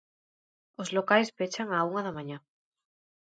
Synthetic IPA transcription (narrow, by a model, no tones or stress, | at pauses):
ozlokajspet͡ʃaŋauŋaðamãɲa